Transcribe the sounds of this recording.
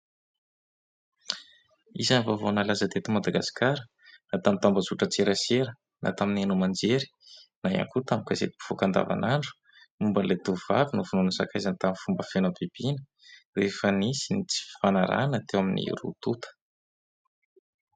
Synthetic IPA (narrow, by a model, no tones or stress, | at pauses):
izanivavonalazəd̪et̪umad̪aɡasi̥kaɾə | nat̪amint̪ambəzuʈ͡ʂət͡seɾaseɾə | nʔa̰t̪aminenumand͡ʒeɾi̥naja̰ŋkut̪amukazet̪i̥bu̥v̥okand̪a̰va̰naɳɖ͡ʐu̥ | mumbənlet̪uva̰vinuvununəsakajzant̪amifumbəfenapib̥inə̥ | refənisinit͡si̥fanaɾa̰nət̪ewaminḭrṵt̪ut̪ʰə̥